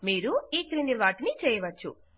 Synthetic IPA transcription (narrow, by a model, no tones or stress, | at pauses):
miːɾuiːkɾiniʋaːʈinit͡ʃɛːjɐʋɐt͡ʃːṵ